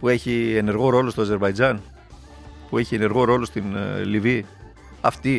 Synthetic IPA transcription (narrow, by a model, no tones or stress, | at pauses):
pue̞çie̞ne̞ɾɣo̞ɾo̞lost̪o̞aze̞ɾbɐjd͡zɐn | pue̞çie̞ne̞ɾɣo̞ɾo̞lo̞st̪inlivi | ɐft̪i